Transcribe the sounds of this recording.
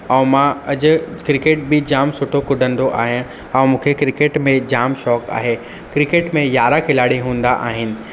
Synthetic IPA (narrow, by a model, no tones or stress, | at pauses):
ɐ̃ũmãɐd͡ʑʊ̆kɾɪkeːʈ̚bɪd͡ʑaːmsʊʈʰokʊɖʱə̃nd̪oʔaːɦijẽ | ɛ̃mũːkʰekɾɪkeːʈmẽd͡ʑaːmʃɔːka̰ːɦe | kɾɪkeːʈmẽjaːɾakʰɪlaːɽiɦũːn̆d̪aʔa̰ːɦɪnɪ̆